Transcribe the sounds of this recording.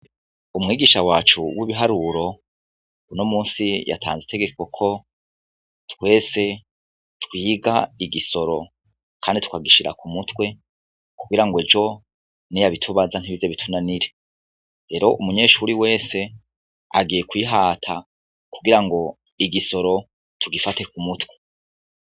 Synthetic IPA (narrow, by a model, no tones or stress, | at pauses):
umŋiːɡiʃawaːt͡ʃuwiβiɦaɾuɾo̞ | unomuːnsija̰tʰa̰ːnzete̞ɡe̞kokʰo̞ | tkwe̞ːse̞ | twiːɡaiɡiso̞ɾo̞ | kʰaːnditu̥kaɡiʃiɾa̰kumutwe̞ | kuɡiɾaŋɡwed͡ʒo̞ | nijaβitʰuβazan̥hiβizeβitʰunaniɾe | ɾe̞ːɾo̞ʔumuɲe̞ːʃuɾiwe̞ːse̞ | a̰ɡiːjekwiːɦaːtʰa̰ | kuɡiɾaŋɡo̞ | iɡiso̞ɾo̞ | tʰuɡifate̞kumutwe̞